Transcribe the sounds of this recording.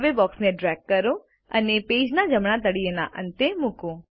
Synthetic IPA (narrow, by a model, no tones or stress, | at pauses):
ʋebɔːksneɖɾɛːkːəɾo | ənepeːd͡ʒnad͡ʒəmɳat̪əɽijəna̰ʔə̰̃nt̪emʊkõː